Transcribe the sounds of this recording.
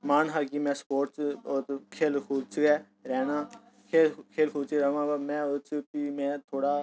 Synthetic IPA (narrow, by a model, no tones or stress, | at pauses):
maːnɦaːɡiːmɛ̃ːspoːɾʈsot̪kʰeːlkʰuːdt͡ʃɡɛː | ɾɛːnaː | kʰeːlkʰeːlkʰuːt͡ʃiɾɛːʋãːbamɛ̃ːʊt͡ʃpiːmɛ̃ːt̪ʰoːɽaː